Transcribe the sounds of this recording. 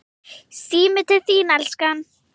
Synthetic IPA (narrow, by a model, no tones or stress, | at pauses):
siːmɪt̪ʰɪθiːnalskan